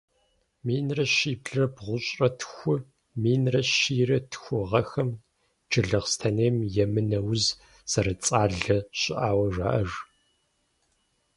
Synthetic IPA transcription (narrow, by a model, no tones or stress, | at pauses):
miːnrɐɕiːbɮɐbʁʷʊɕʼrɐtʰxʷʊ | miːnrɐʃiːrɐtʰxʷʊʁɐxɐm | d͡ʒɨɮɨʁstʰɐneːmjɛmɨnɐwz | z̥ɐɾɐt͡sʼaːɮɐɕʼɪʔaːwɐʐa̰ːʔɐʐ